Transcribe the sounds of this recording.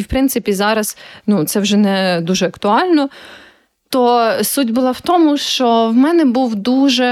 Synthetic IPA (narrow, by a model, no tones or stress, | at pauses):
wpɾɪnsɪpʲizɑɾɐz̥nut̪sɛwʒɛnɛd̪uʒɛɐkt̪ʊɑlʲnɔ | t̪ɔsudʲbʊlˠɑwt̪ɔmʊʃt͡ʃɔwmɛnɛbuwd̪uʒɛ